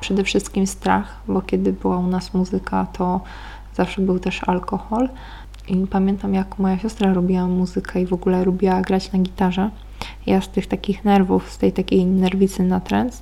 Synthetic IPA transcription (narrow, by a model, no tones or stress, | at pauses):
pʂɛd̪ɛfʂɘst̪kʲimst̪ɾa̰x | bɔkʲɛd̪ɘbɘwaunasmuzɘkʰat̪ʰɔ | zafʂɛbɘwt̪ɛʂa̰lkɔxɔl | ʔipamʲjɛnt̪amjakmɔjaɕɔst̪ɾaɾubʲiwamuzɘkʰɛivɔɡulɛlubʲiwaɡɾat͡ɕnaɡʲit̪aʐɛ | jast̪ɘxt̪akʲixnɛɾvufst̪ɛjt̪akʲejnɛɾvʲit̪sɘnat̪ɾɛnt̪s